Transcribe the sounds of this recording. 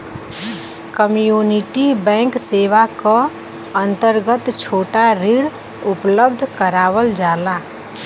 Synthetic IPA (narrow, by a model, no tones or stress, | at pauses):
kəmjuniʈibɛ̃ŋkseʋakə | ənt̪əɾɡət̪t͡ʃʰoːʈaɾiɽ | upləb̚d̪ʱkəɾaːʋəld͡ʒaːla